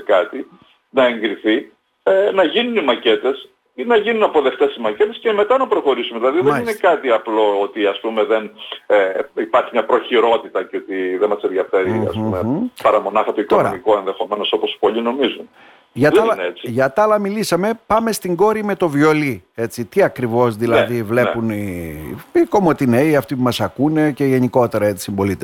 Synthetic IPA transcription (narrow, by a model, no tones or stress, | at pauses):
kɐt̪i | nɐe̞ŋɡɾiθi | enɐʝinunimɐce̞t̪e̞s | nɐʝinunɐpo̞ðe̞ft̪e̞simɐce̞t̪e̞sce̞me̞t̪ɐnɐpɾo̞xo̞ɾisumeðilɐðiðeninekɐt̪iɐplo̞ot̪iɐspume̞ðeneipɐɾçimɲɐpɾo̞çiɾo̞t̪it̪ɐceo̞t̪iðemɐsenðʝɐfe̞ɾiɐ̰spumepɐɾɐmo̞nɐxɐt̪o̞ik̪t̪oɾɐ̰miko̞e̞nðe̞xo̞me̞no̞so̞po̞spo̞ʎino̞mizun | ʝɐt̪ɐeet͡siʝɐt̪ɐlɐmilisɐme̞pɐme̞st̪iŋɡo̞ɾime̞t̪o̞vio̞lie̞t͡sit̪iɐkɾivo̞zðilɐðivle̞puni | iko̞mo̞t̪ineiɐft̪ipumɐsɐkune̞ce̞ʝe̞niko̞t̪e̞ɾɐet͡s̪i̥simbo̞lit̪e